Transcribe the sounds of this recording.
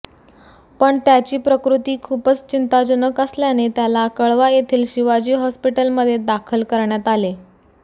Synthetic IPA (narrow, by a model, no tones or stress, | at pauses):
pəɳt̪jat͡ɕiːpɾəkɾut̪iːkʰupət͡st͡ɕint̪ad͡ʑənəkəsljanet̪jalakəɭʋajet̪ʰiːlɕiʋad͡ʑiːɦɔspiʈəlməd̪ʱːjed̪akʰəlkəɾɳjat̪ale